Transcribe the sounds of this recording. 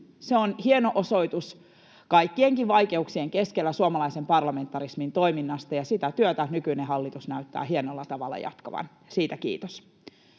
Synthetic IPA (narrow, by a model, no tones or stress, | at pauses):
seonhienoʔoso̞it̪us | kɑijkːieŋkiʋʋɑjke̞uksieŋkeskelːæsuomɑlɑisempɑrlɑme̞nt̪ːɑɾismint̪o̞iminːɑst̪ɑjɑsit̪æt̪yøt̪ænykyineɦɑlːit̪usnæyt̪ːæ̰ːɦienolːɑt̪ɑʋɑ̰lːɑ̰jɑ̰t̪kɑʋɑ̰n | siːt̪ækḭːt̪os